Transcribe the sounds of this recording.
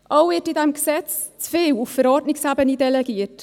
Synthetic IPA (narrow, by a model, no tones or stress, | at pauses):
ʔowɪtidɛmɡsɛt͡st͡sfeːwufəɾɔtnɪkshabənidɛlɛɡiːrt